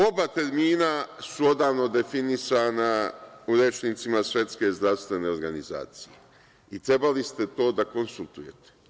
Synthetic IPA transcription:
o̞bat̪e̞ɾmiːnasuo̞d̪aːʋno̞d̪e̞finisaːnauɾet͡ʃnit̪simasʋje̞t̪ske̞zd̪ɾaʋst̪ʋe̞ne̞o̞ɾɡaniza̰ːt̪sije | it̪ɾe̞balist̪e̞t̪o̞ːd̪ako̞nsulˠt̪uje̞t̪e̥

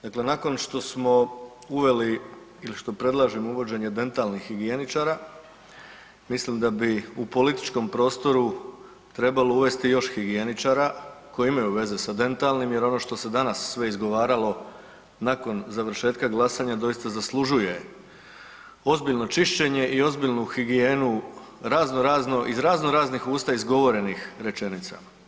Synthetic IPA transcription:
d̪akle̞nako̞nʃt̪o̞smo̞ | uʋe̞li | iliʃt̪o̞pɾe̞d̪lˠaʒimouʋo̞d͡ʑe̞ɲe̞d̪e̞nt̪alˠnixːiɡie̞nit͡ʃaɾa | mislimd̪abiupo̞lit̪i̥t͡ʃko̞mpɾo̞ːst̪o̞ɾu | t̪ɾe̞balouʋe̞st̪ijo̞ʃxiɡienit͡ʃaːɾako̞jiimajuʋe̞zesad̪e̞nt̪alˠnimje̞ɾo̞no̞ːʃt̪o̞se̞d̪anasːʋe̞izɡo̞ʋaːɾalo̞ | nako̞nzaʋɾ̩ʃe̞ːt̪kaɡlˠasaɲad̪o̞jist̪azaslˠuʒuje̞ | o̞zbiʎno̞t͡ʃiʃt͡ɕe̞ɲe̞ʔio̞zbiʎnuxiɡienu | ɾaːznoɾaːznoʔizɾaːznoɾaːznixuːst̪aizɡo̞ʋo̞ɾe̞nixɾe̞t͡ʃe̞nit̪sa̰ma

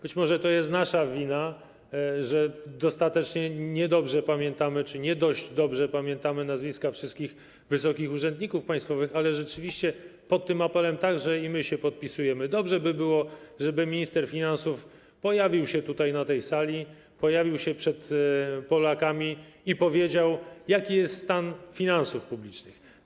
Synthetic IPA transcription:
b̥ɘt͡ɕmɔʐɛt̪ɔjɛst̪naʂavʲina | ʐɛd̪ɔst̪at̪ɛt͡ʂɲɛɲɛd̪ɔbʐɛpamʲjɛnt̪amɘt͡ʂɘɲɛd̪ɔʑd͡ʑd̪ɔbʐɛpamʲjɛnt̪amɘnazvʲiskafʂɨst̪̚kʲix | vɘsɔkʲixuʐɛnd̪ɲikufpaj̃st̪fɔvɘxalɛʐɛt͡ʂɘvʲiɕt͡ɕɛpɔt̪ːɘmapɛlɛmt̪aɡʐɛimɘɕɛpɔt̪̚pʲisujɛmɘd̪ɔbʐɛbɘbɘwɔʐɛbɘmʲiɲist̪ɛɾfʲinansuf | pɔjavʲiwɕɛt̪ut̪ajnat̪ɛjsalʲi | pɔjavʲiwɕɛpʂɛt̪pɔlakamʲiipɔvʲjed͡ʑawjakʲijɛst̪st̪anfʲinansufpublʲit͡ʂnɘx

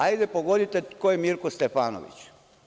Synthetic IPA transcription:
ajd̪epoɡo̞d̪it̪ekojemiɾkost̪efaːno̰ʋḭt͡ɕ

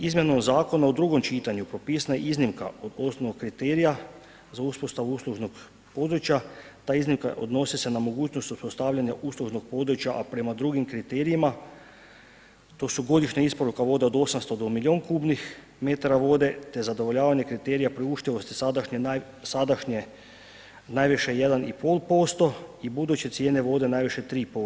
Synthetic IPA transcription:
izmʲje̞nomzaːko̞naod̪ɾuɡo̞mt͡ʃiːt̪aɲupɾo̞pisnajḛʔiznimka̰od̪o̞snoʋoɡkːɾit̪eːɾija | zauspost̪aʋuuslˠuʒnoɡ | po̞d̪ɾut͡ɕjat̪aːiznimka̰ʔo̰d̪no̞sise̞namo̞ɡuːt͡ɕnost̪uspost̪aːʋʎaɲaʔuslˠuʒno̞ɡ̚po̞d̪ɾut͡ɕjaʔapɾe̞mad̪ɾuɡimkɾit̪eɾijima | t̪o̞ːsuɡo̞d̪iʃɲaispo̞ɾukaʋo̞ːd̪e̞o̞d̪o̞samst̪o̞d̪omilʲio̞ːnkuːbnix | met̪aɾaʋo̞ːd̪e̞t̪ezad̪o̞ʋo̞ʎaːʋaɲe̞kɾit̪eɾijapɾiuʃt̪iʋo̞st̪i̥sad̪aʃɲe | sad̪aʃɲe | najʋiʃejed̪anipo̞lˠpo̞st̪o̞ibud̪ut͡ɕet̪sjeːneʋo̞ːd̪e̞najʋiʃe̞t̪ɾiːpo

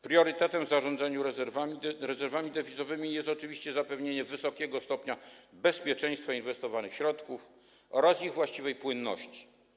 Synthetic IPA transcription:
pɾʲjɔɾɘt̪ɛt̪ɛmvzaʐɔnd̪zaɲuɾɛzɛɾvaiɾɛzɛɾvamʲid̪ɛvʲizɔvɘmʲijɛst̪ɔt͡ʂɨvʲiɕt͡ɕɛzapɛvɲeɲɛvɘsɔkʲɛɡɔst̪ɔpɲabɛspʲjɛt͡ʂɛ̃j̃st̪fainvɛst̪ɔvanɘxɕɾɔt̪kuf | ɔɾasiɣvwaɕt͡ɕivɛjpwɘnːɔ̰ɕt͡ɕi̥

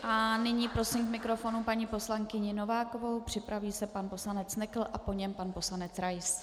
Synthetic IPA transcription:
ʔanɪɲiːpɾo̞simkmɪkɾo̞fo̞nupaɲiːpo̞slaŋkɪɲɪno̞vaːko̞vo̞wpr̝̥ɪpɾaviːsɛpanpo̞slanɛt͡snɛkl̩ʔapo̞ɲɛmpanpo̞slanɛt͡sɾajs

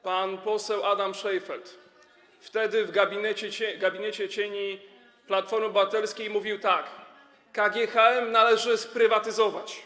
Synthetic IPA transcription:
panpɔsɛwʔad̪amʂɛjfɛlt̪ | ft̪ɛd̪ɘvɡabʲinɛt͡ɕɛt͡ɕɛɡabʲinɛt͡ɕɛt͡ɕeɲi | plat̪fɔɾmɘbat̪ɛlskʲejmuvʲiwt̪akː | aɡʲɛxaɛmnalɛʐɘspɾɘvat̪ɘzɔvat͡ɕ

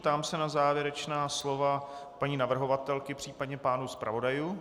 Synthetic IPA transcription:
t̪aːmsɛnazaːvjɛɾɛt͡ʃnaːslo̞vapaɲiːnavr̩ɦo̞vat̪ɛlkɪpr̝̥iːpadɲɛpaːnuspɾʔa̰vo̞dajuː

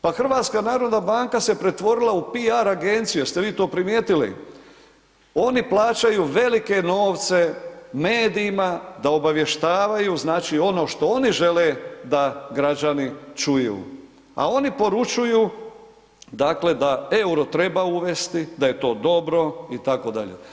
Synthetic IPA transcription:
paxr̩ʋaːt̪skanaːɾo̞d̪nabaːŋkase̞pɾe̞t̪ʋo̞ɾilˠaupiaɾaɡe̞nt̪sijust̪eʋiːt̪o̞ːpɾimjeːt̪ilḭ | o̞niplˠaːt͡ʃajuːʋe̞like̞no̞ːʋt̪se̞meːd̪iːmad̪ao̞baʋje̞ʃt̪aːʋajuːznaːt͡ʃio̞no̞ːʃt̪o̞o̞niʒe̞led̪aɡɾad͡ʒanit͡ʃujṵː | a̰o̞nipo̞ɾut͡ʃujuː | d̪akle̞d̪ae̞uɾo̞t̪ɾe̞bauʋe̞st̪id̪aje̞t̪o̞ːd̪o̞bɾo̞it̪ako̞d̪a̰ʎḛ

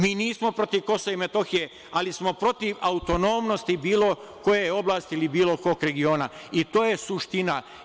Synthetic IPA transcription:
miːniːsmo̞pɾo̞t̪iʋko̞soeimet̪o̞xije̞ | alismo̞pɾo̞t̪iʋaut̪o̞no̞mno̞st̪ibiːlˠo̞ | ko̞jejeo̞blˠaːst̪iilibiːlo̞ko̞kɾe̞ɡio̞ːna | it̪oːje̞suʃt̪ina

